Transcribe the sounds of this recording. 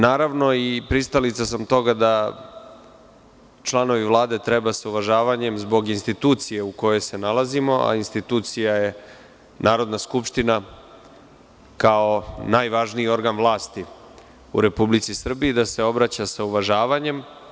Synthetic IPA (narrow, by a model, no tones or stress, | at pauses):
naːɾaʋno̞ipɾist̪alit̪sasamt̪o̞ɡad̪a | t͡ʃlˠano̞ʋiʋlˠaːd̪e̞t̪ɾe̞basauʋaʒaːʋaɲe̞mzbo̞ɡinst̪it̪uːt̪sije̞uko̞jo̞jse̞nalˠazimo̞a̰inst̪it̪uːt̪sijaje̞ | nʔaːɾo̞d̪naskupʃt̪ina | kao̞najʋaʒniio̞ɾɡanvlˠaːst̪i | ṵɾe̞publit̪sisr̩biid̪ase̞o̞bɾat͡ɕasauʋaʒaːʋaɲe̞m